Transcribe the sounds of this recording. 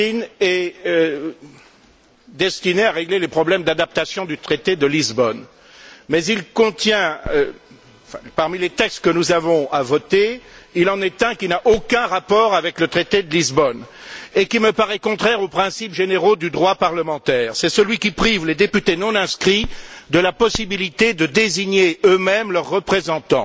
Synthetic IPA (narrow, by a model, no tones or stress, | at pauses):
inɛ | d̪ɛst̪ineaʁeɡlelepχɔblɛmd̪ad̪ap̚t̪asjɔ̃d̪yt̪χet̪ed̪əlizbɔn | mɛzilkɔ̃t̪jɛ̃ | fɛ̰̃paʁmilet̪ɛkst̪̚kənuzavɔ̃avɔt̪eilɑ̃nɛt̪ɛ̃kʲinaʔokɛ̃ʁapɔʁavɛklət̪χet̪ed̪əlizbɔnekʲiməpaʁɛkɔ̃t̪χɛʁopχɛ̃sipʒeneʁod̪yd̪ʁwapaʁləmɑ̃t̪ɛːʁsɛsəlɥikʲipχivled̪epyt̪enɔ̃nɛ̃skχid̪əlapɔsibilit̪ed̪əd̪eziɲeømɛmlœʁːəpχezɑ̃t̪ɑ̰̃